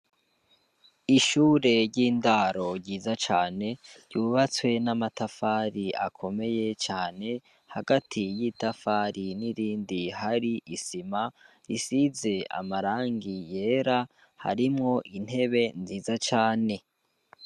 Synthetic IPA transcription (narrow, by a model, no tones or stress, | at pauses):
iʃuːɾe̞ɾɟiːndaɾo̞ɾɟiːzat͡ʃaːne̞ɾɟuːβat͡swe̞namatafaːɾiʔa̰kʰo̞me̞je̞t͡ʃaːne̞ | haɡatʰijiːtafaɾiniɾiːndihaɾiʔisima | isize̞a̰maɾaːŋɡije̞ːɾa | ha̰ɾimŋo̞ʔin̥he̞βe̞nziːzat͡ʃaːne̞